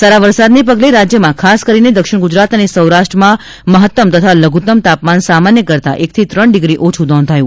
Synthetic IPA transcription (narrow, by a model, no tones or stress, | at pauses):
saɾaʋəɾsad̪nep̬əɡleɾad͡ʒjəmãkʰaskəɾined̪əkʃɪɳ̃ɡʊd͡ʒɾat̪ənesəwɾaʃʈɾəmã | məɦət̪ːəmt̪ət̪ʰaləɡʱut̪əmt̪apmansamanjəkəɾt̪a̰ʔek̚t̪ʰit̪ɾəɳɖɪɡɾiʔot͡ʃʰud̪ɔ̃nd̪ʱajũ